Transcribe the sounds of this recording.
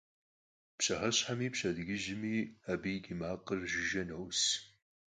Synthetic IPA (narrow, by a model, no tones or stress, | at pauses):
pɕɐhɐɕħamiːpɕɐdɡʲɪʒɪmiːabiːɡʲɪmaːqərʒɪʒɐnɐws